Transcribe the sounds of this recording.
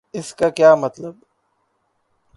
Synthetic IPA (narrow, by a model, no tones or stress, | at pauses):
ɪskakjaːmɐt̪ləb